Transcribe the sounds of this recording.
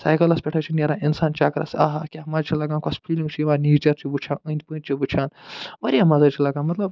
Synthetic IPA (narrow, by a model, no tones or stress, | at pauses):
saːjkɐlɐspʲɛʈʰɐt͡ʃʰinʲɐɾãinsaːnt͡ʃaːkɾa̰sɐɦakʲaɦɐmaːɾt͡ʃʰilɐɡãːnkɐspʰilĩŋɡt͡ʃʰiʋaːniːt͡ʃɐɾt͡ʃʰibut͡ʃʰãːnənd̪̚ʲpɨnʲt͡ʃʰibut͡ʃʰaːnʋɐɾiɐmazɐt͡ʃʰilɐɡãːnmɐt̪lɐb